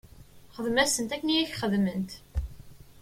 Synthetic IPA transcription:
χəðmæsənt̪ækːənijæçχəðmənt̪

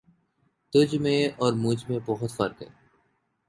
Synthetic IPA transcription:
t̪ʊd͡ʒmẽɔːɾmʊd͡ʒmẽbɔɦʊt̪fɐɾkɦɛ̰ː

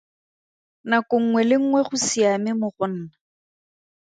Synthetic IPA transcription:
nakʊŋ̩ŋwɛlɪŋ̩ŋwɛχʊsiamɪmʊχʊn̩ːna

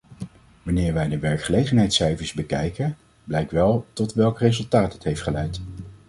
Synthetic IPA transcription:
ʋɑnɪːɹʋɛjdəʋɛɹkχəlejχənɦɛjtsɛjvəɹzbəkɛjkən | blɛjkʋɛlˠtɔtʋɛlˠkrezɵlˠtaːtɦətɦejftχəlɛjt

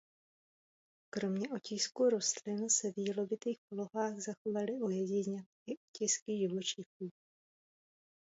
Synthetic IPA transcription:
kɾo̞mɲɛʔocɪskuɾo̞st̪lɪnsɛvjilo̞bɪt̪iːxpolo̞ɦaːɣzaxovalɪʔojɛɟɪɲɛʔɪʔocɪskɪʒɪvot͡ʃɪxuː

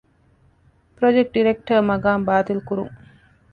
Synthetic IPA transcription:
pɾod͡ʒek̚ʈ̚ɖiɾek̚ʈəɾmɐɡaːmbaːt̪ilkuɾṵŋ

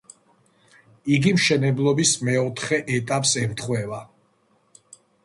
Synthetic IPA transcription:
iɡimʃɛnɛblˠɔbismɛɔt̪ʰχɛʔɛt̪ʼapʼsɛɾt̪ʰχwɛva

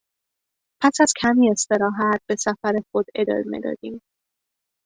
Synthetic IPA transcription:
pʰæsæz̥kʲʰæmie̞st̪e̞ɾɒːɦæt̪̚b̥e̞sæfæɾexo̞d̪e̞̰d̪ɒ̰ːɾemḛd̪ɒ̰ːd̪̥iːm

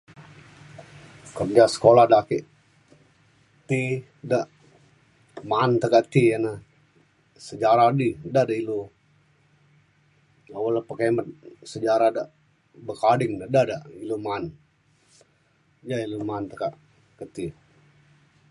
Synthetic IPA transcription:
kərd͡ʒasə̥koladakiʔ | t̪i | daʔ | mant̪əkaʔt̪iana | səd͡ʒaɾadidadailo | awəlapəkemət̪̚səd͡ʒaɾadaʔ | bəkadɪŋdadadailoman | d͡ʒailumant̪əkaʔ | kət̪i

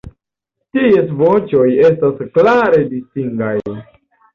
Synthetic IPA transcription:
ties̬vo̞t͡ʃo̞je̞stasklaɾe̞distiŋɡaj

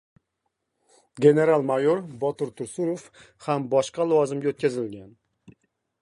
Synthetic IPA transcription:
ɡʲe̞ne̞ɾalˠmajoɾbɒt̪ɪɾt̪ʰʊɾsuɾof | hambɒʃqɑlˠʊvɒzɪmɡʲaot̪̚kʲʰazɪlɡʲan

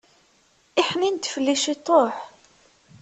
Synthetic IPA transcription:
iħnint̪ːfəlːiʃit̪ˤoħ

